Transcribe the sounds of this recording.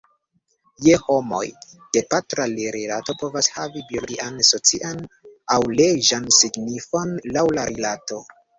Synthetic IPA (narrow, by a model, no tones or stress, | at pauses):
jeho̞mo̞̰j | d̥e̞patɾaleɾelato̞po̞vashavibioɡiʔanso̞t͡siʔanawleʒansiɡnifo̞nlawlaɾilato̞